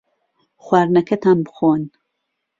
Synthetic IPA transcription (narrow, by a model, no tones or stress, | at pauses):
xwaːɾnɐkʰɐt̪ʰaːnbɨ̥xon